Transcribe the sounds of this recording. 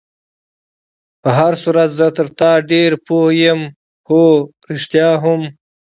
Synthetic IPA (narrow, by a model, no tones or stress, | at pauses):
pəɦaɾsuːɾat̪zət̪əɾt̪ɑːɖeɾpohjem | hoːɾɪʂt̪jɑːɦʊm